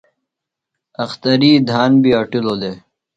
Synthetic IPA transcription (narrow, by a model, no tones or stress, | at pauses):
ɐxt̪ɐɾiːd̪ʱaːnbiaʈiloːd̪eː